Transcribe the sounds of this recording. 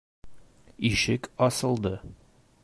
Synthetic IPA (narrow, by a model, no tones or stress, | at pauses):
iʃɘkɒsɤ̆lˠd̪ɤ